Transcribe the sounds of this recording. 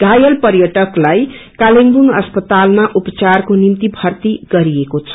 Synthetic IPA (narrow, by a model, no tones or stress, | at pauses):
ɡ̥ajʌlpʌrjʌʈʌklajkaliŋbuŋʌspʌt̪almaʔupʌt͡sarkonimt̪ibʱʌrt̪iɡʌɾiekot͡sʰʌ̥